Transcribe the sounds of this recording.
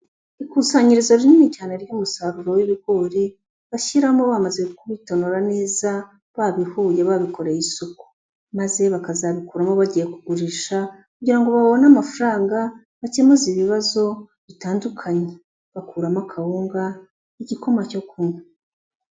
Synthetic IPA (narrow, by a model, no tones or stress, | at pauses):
ikuːsaɲiɾizo̞ɾinimicaːnaɾɟuːmusaɾuɾo̞wiβiɡo̞ːɾi | βaçiɾamoβamaze̞kuβito̞noɾane̞ːza | βaβihuːjeβaβiko̞ɾejisuku̥ | maze̞βakazaβikuɾamoβaɟije̞kuɡuɾiʃakuɟiɾaŋɡo̞βaβo̞namafaɾaːŋɡa | βacemuziβiβazo̞ | βitaːndukʰaɲe | βakuːɾamakʰaβuːŋɡa | iɟikʰo̞maco̞kʰunu